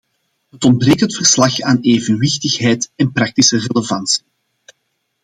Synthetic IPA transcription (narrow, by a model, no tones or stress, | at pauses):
ɦətɔnd̚breːktɦətfərslɑxaːneːvənwɪxtəxɦɛjtɛnprɑk̚tisəreləvɑnsi̥